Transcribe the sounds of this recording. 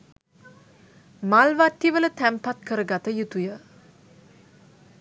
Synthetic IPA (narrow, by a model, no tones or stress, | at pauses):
malʋat̪ːiʋələt̪æmpat̪̚kəɾəɡat̪əjut̪ujə